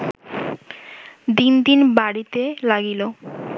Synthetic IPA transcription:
d̪ind̪inbaɽit̪elaɡilo

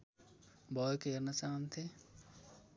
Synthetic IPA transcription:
bɔːjkeɾnat͡ʃaːnt̪ʰe

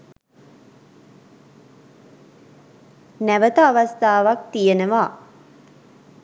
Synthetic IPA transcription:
næʋət̪əaʋast̪aːʋak̚t̪ijenəʋaː

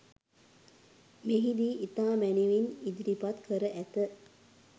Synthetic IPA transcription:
meɦid̪iːʔit̪aːmæniʋinid̪iɾipat̪kʰəɾəʔæt̪ə

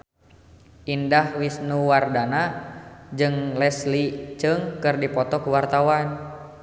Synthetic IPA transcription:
ʔindahwisnuwardana | d͡ʒɨŋlɛslit͡ʃɨŋkɨrdipɔt̪ɔkuwart̪awan

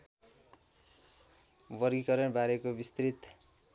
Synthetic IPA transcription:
bʌɾɡikʌɾʌnbaɾekobist̪rit̪

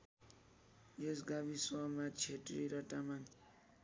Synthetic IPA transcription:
jesɡaβisʌmat͡sʰeʈriɾʌʈaman

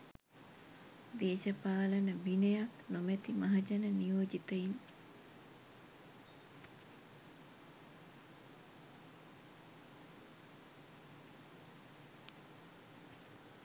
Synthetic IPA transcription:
d̪eːʃəpaːlənəʋinejaknomet̪imɐɦɐd͡ʒɐnənijoːd͡ʒit̪əin

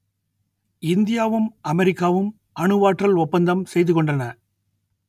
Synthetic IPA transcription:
ɪnd̪ɪjaːʋɯmɐmɛɾɪkːaːʋɯm | ɐɳɯʋaːʈrɐlɔpːɐnd̪ɐmsɛjðɯkɔɳɖrɐnɐ

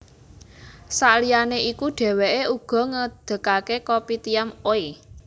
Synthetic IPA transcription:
salijaneʔikuɖ̥ɛ̤weʔeuɡ̥ɔ̤ŋəd̪̥ə̤kakekopit̪ijamoi

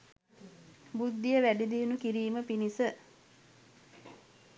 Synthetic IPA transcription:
bud̪ːijəʋæɖid̪iːunukiɾiːməpinisə

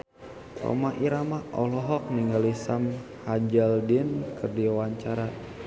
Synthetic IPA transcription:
rɔ̰maʔiɾamaɔlɔɦɔk̚niŋɡalisamhad͡ʒaldinkɨrdiawaɲt͡ʃaɾa

